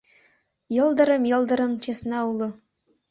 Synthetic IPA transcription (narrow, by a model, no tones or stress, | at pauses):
jɤ̆lˠd̪ɤ̆ɾɤ̆mjɤ̆lˠd̪ɤ̆ɾɤ̆mt͡ɕesnɑulˠɤ̆